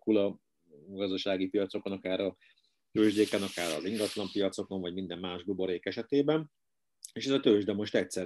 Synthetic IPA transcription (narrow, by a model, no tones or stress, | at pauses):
kulɒ | ɡɒzd̪ɒʃaːɡipijɒt̪so̞ko̞nɒkaːɾɒ | t̪øːʒd̪eːkɛnɒkaːɾɒ̰ziŋɡɒt̪lɒmpijɒt̪so̞ko̞ɱvɒɟmind̪ɛmːaːʒbubo̞ɾeːkɛʃɛt̪eːbɛn | eːʃɛzɒt̪øːʒd̪ɛmo̞ʃt̪ɛcsɛ